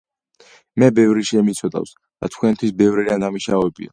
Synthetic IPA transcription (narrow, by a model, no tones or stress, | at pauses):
mɛbɛvɾiʃɛmit̪sʰɔd̪a̰ws | d̪̥a̰t̪ʰkʰwɛnt̪ʰwisbɛvɾid̪and̪amiʃavɛbḭa̰